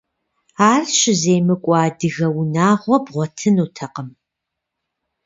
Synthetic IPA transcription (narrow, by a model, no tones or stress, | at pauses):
aːrɕɪzeːjmɨkʷʼɑːdɨɣɐwnaːʁʷɔbʁʷɔtʰɨnuːtʰɐqəm